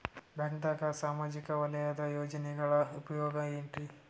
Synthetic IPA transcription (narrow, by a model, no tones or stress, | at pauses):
bɐŋd̪akɐsaːmaːd͡ʒikɐʋɐlɐjaːd̪ɐjɔːd͡ʒɐnɛɡɐɭɐupɐjɔːɡɐmeːɳʈi